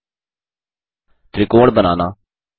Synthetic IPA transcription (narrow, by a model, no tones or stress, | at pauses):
t̪ɾikoːɽbəna̰ːnaː